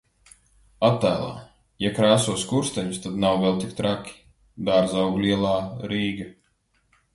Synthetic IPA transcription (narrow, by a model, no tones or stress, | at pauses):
at̪ːæːlˠa̰ː | jakɾaːsuɔskuɾst̪ɛɲust̪ad̪nawvɛlˠt̪ik̚t̪ɾakʲi̥ | d̪aɾzawɡlʲiɛlˠaːɾiːɡa